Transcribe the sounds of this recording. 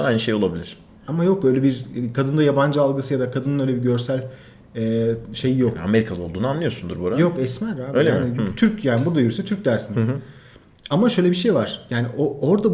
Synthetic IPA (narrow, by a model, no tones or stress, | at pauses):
ajnʃejolˠabilʲiɾ̥ | amajo̞k̚ø̞jlʲɛbiɾkʰad̪ɯnd̪ajaband͡ʒɯalˠɡɯsɯjad̪akʰad̪ɯnɯnøjlʲebiɟø̞ɾsælʲ | ɛːʃe̞jijoka̰me̞ɾikʰalˠɯo̞lˠd̪uːnuanlˠɯjo̞ɾsund̪ṵɾboɾajokɛsmæɾaːbøjlʲaːnɪt̪ʰyɾcjaːnibuɾd̪ajyɾysɛt̪ʰyɾc̚ʲd̪æɾsin | amaʃø̞jlʲebiʃe̞jvaɾ̥jaːniʔooɾd̪a